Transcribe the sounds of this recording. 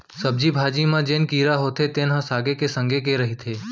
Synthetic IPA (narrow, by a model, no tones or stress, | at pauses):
səb̚d͡ʒibʱaːd͡ʒimãd͡ʒenkiːɾaɦot̪ʰet̪eːnɦãsaːɡekesə̃ŋɡek̬eɾəɦit̪ʰeː